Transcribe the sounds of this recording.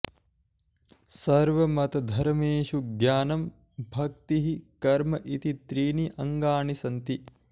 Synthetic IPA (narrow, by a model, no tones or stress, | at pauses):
sɐɾʋɐmɐt̪ɐd̪ʱɐɾmeːʃuɡjaːnɐm | bʱɐk̚t̪iɦikɐɾmɐʔit̪it̪ɾiːniʔɐŋɡaːɳisɐnt̪i